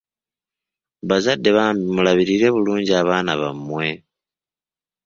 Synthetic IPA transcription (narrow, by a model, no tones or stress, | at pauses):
βazadːe̞βaːmbimulaβiɾiːɾe̞βuluːɲɟiaβaːnaβa̰mːwe̞